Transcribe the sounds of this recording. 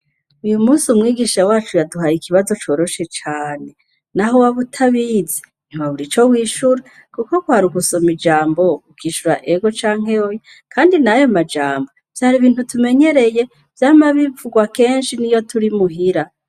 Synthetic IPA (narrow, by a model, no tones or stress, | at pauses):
ujumuːsiumŋiːɡiʃawaːt͡ʃujaduɦajikʰiβazo̞t͡ʃo̞ːɾo̞ʃe̞t͡ʃaːne̞ | naɦowaβutʰaβize | n̥imaβuɾit͡ʃo̞wiːʃuɾa | kuko̞kwaːɾuɡusomid͡ʒaːmbo̞ukʰiːʃuɾa̰ʔeɡo̞t͡ʃaːŋ̥he̞joje | kʰaːndinajomad͡ʒaːmbo | v̥jaɾiβiːn̥hutume̞ɲe̞ɾe̞je̞ | v̥jaːmaβivuɡwake̞ːnʃinijo̞tʰuɾimuɦiɾa